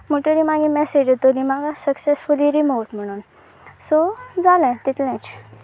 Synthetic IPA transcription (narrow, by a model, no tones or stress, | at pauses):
m̤əʈəɾimaɡimɛsed͡ʑot̪olimaɡasəksesfuliɾimowʈm̤əɽ̃uːn | sod͡zalãt̪it̪lɛ̃t͡ɕ